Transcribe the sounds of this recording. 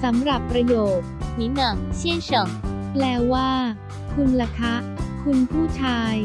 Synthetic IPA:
sa˩˦mɾa˨˩pːɾa˧joː˨˩t̪̚ni˦˥nɯ˨˩ŋt͡ɕʰi˥˩ət͡ɕo˨˩ŋ | plɛː˦˥wwaː˥˩ | kʰu˧nɾa˧kʰa˦˥ʔkʰu˧npʰuː˥˩t͡ɕʰaː˧j

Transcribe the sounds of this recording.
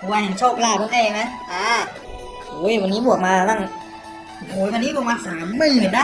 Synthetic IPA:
pʰɔ˧˩waː˧ja˨˩ŋt͡ɕʰoː˥˩p̚laː˥˩ɯ˥˩ʔa˥˩jma˦˥jʔaː˧˩ | oː˨˦˥jwa˧nːiː˦˥bu˨˩ək̚maː˧la˥˩ŋ˨˩ | hoː˨˦jwa˧nːiː˦˥˨maː˧nsaː˩˦mːɯ˥˩˨baː˨˩k̚daː˥˩

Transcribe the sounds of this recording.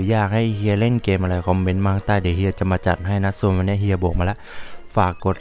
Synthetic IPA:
jaː˧˩k̚ha˧˥˩jhi˧ə˧le˧˥˨ŋkeː˧˩mʔa˧a˧jkʰɔ˧˦mme˧˦nmaː˧˨ŋt̪aː˧˩˨de˨˩hi˧t͡ɕa˧˦mːa˧t͡ɕa̰˨˩t̪̚ɦa˧˩jna˧˥su˧˩˨ma˧nɛ˧˥˨ɦi˧ə˧boː˨˩k̚maː˧lɛ˧ʔfaː˨˩kːo˨˧˦t̪̚

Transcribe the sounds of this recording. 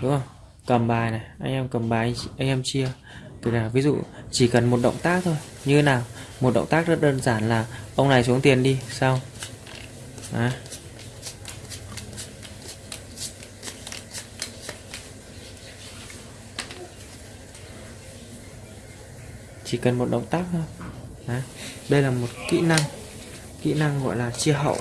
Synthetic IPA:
ɗʊ˨˦ŋ͡mə˧˩w | kə˨˩mɓaː˨˩jna˨˩jʔa˧jŋʔɛ˧mkə˨˩mɓaː˨˩jʔa˧ŋ̟ʔɛ˧mt͡ɕi˧ə | t̪ə˨˩k̚naː˨˩vi˨˦zṵ˧˨t͡ɕi˧˩kə˨˩nmo˨˩t̚ɗə̰˧˨wŋ͡mt̪aː˦˥k̚t̪ʰo˧j | ɲɨ˧tʰe˨˦naː˨˩wmo˨˩t̚ɗə̰˧˨wŋ͡mt̪aː˦˥k̚zə˦˥t̚ɗəː˧nzaː˧˩nlaː˨˩ʔə˧wŋ͡mna˨˩js̬u˨˦ŋt̪i˨˩ənɗi˧saː˧w | ʔaː˨˦ | t͡ɕi˧˩kə˨˩nmo˨˩t̚ɗə̰˧˨wŋ͡mt̪aː˦˥k̚nə˧w | ʔaː˨˩ɗə˧jlaː˨˩mo˨˩t̚kḭ˧˥na˧ŋ | kḭ˧˥na˧ŋɣɔ̰˧˨jlaː˨˩t͡ɕi˧əɦə̰˧˨wʔ

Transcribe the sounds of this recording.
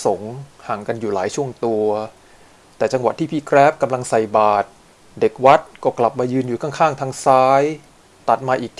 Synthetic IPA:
so˩˦ŋhaː˨˩ŋka˧njuː˨˩laː˩˦jt͡ɕʰu˥˩əŋt̪u˧ɐ | t̪ɛː˨˩t͡ɕa˧ŋwa˨˩t̪ʰːiː˥˩pʰiː˧˩kʰɾɛː˦˥p̚ka˧mla˧ŋsa˨˩jbaː˨˩t̪̚ | de˨˩k̚wa˦˥t̪̚kɔː˥˩kla˨˩p̚maː˧jɯː˧njuː˨˩kʰa˥˩ŋkʰaː˥˩ŋt̪ʰaː˧ŋsaː˦˥j | t̪a˨˩t̪̚maː˧ʔiː˨˩k̪̚ʰ

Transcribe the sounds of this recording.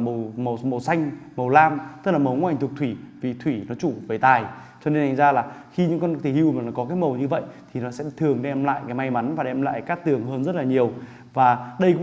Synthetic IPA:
mə˨˩mə˨˩mə˨˩wsa˧jŋ̟mə˨˩wlaː˧mt̪ɨ˦˥k̚laː˨˩mə˨˩wŋu˧˦ʔa˨˩ŋ̟t̪ʊ˨˩k͡p̚t̪ʰwi˧˩vi˨˩t̪ʰwi˧˩nɔ˨˦t͡ɕu˧˩ve˨˩jt̪aː˨˩j | t͡ɕɔ˧ne˧na˧˩ŋzaː˧laː˨˩xi˧ɲɨ̰˧˥ŋkɔ˧nt̪ʰi˨˧˩hi˧wmː˨˩laː˨˩kɔ˨˦kaː˨˦jmə˨˩wɲɨ˧və̰˧˨jt̪ʰi˨˩nɔ˨˦sɛ̰˧˥t̪ʰɨ˨˩əŋɗe˧ə˧mla̰ː˧˨jkaː˨˦jma˧jma˨˦nvaː˨˩ɗe˧mla̰ː˧˨jkaː˦˥k̚t̪ɨ˨˩əŋɦəː˧nzə˦˥t̚laː˨˩ɲi˨˩əw | vaː˨˩ɗə˧jkʊ̰˧˥

